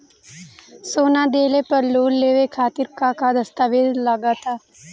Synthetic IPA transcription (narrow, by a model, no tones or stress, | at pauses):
soːnad̪eːlepɐɾloːnleːʋekʰaːt̪ɪɾkakad̪ɐst̪aːʋeːd̪laɡat̪ʰaː